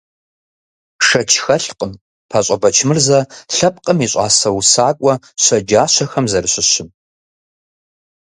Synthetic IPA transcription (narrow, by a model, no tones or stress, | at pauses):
ʂɐt͡ʃʰxɐɬqʼəm | pʰaɕʼɐbɐt͡ʃʰmɨrzɐɬɐp̚qʼəmiːɕʷʼɑ̰ːsɐwusaːkʷʼɔ | ɕʷɐd͡ʒaːɕɐxɐmzɐrɨɕʷɪɕɪm